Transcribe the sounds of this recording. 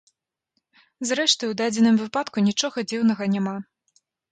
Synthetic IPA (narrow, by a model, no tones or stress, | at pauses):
zɾɛʂt̪ɨjwd̪ad͡zʲɛnɨmvɨpat̪kunʲit͡ʂɔɣɐd͡zʲiwnɐɣɐnʲama